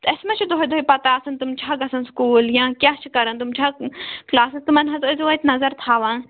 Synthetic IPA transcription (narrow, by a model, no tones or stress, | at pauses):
t̪ɐsmɐ̃t͡ʃʰud̪oɦjd̪oːipɐt̪aɐsɐnt̪umt͡ʃʰaːɡɐsɐnskuːljãːkʲjaːt͡ʃʰikɐɾɐnt̪umt͡ʃʰaːklaːsɐst̪umɐnɦɐzozʋɐt̪ʲnɐzɐɾt̪ʰaːʋãːn